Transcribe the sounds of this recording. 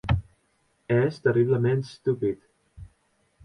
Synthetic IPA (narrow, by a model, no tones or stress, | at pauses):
ɛzd̪əriβləmẽnt̪st̪upit̪